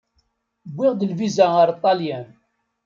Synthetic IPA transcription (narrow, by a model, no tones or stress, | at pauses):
bʷːɪʁd̪əlvizæəɾt̪ˤːɑljæn